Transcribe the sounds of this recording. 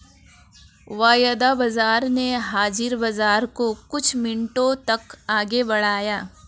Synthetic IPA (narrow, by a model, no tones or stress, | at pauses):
ʋaːjəd̪abɐzaːɾneɦaːd͡ʒɪɾbɐzaːɾkokʊt͡ʃʰmɪɳʈõt̪ɐkaːɡebɐɽ̤aːjaː